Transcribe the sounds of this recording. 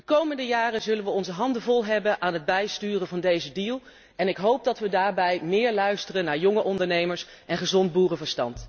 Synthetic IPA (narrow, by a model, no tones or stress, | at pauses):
dəkowməndəjaːrəzɵlənʋəɔnzəɦɑndəvɔlˠɦɛbənʔaːnɦəd̚bɛjstyːrəvɑndejzədilˠ | ɛnɪkɦowp̚dɑtʋədaːɹbɛjmɪːɹlœɥstərənːaːɹjɔŋəʔɔndəɹnejməɹs | ʔɛnχəzɔnt̚buːrəvəɹstɑ̰nt